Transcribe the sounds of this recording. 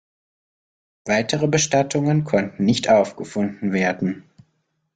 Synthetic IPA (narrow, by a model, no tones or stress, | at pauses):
v̥aɪtʰəʁəbəʃtatʰʊŋənkʰɔntn̩nɪçtʔaʊfɡ̥əfʊndn̩veːɐdn̩